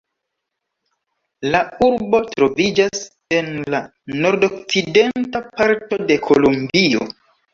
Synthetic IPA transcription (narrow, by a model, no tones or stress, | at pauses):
lauɾbo̞tɾo̞vid͡ʒas | e̞nla | no̞ɾdo̞kt͡side̞ntapaɾto̞de̞kʰo̞lumbio̰